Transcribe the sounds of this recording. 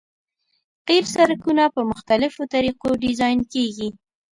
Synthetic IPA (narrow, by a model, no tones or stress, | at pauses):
qeɾsaɾkunapəmʊxt̪alɪfot̪aɾiqoɖɪzɑjnkeɡi